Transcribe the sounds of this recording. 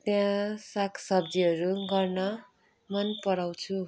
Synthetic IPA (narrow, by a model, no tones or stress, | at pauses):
t̪jãsakʰsʌbd͡ziɦʌɾuɡʌrnʌ | mʌnpʌɽawt͡sʰu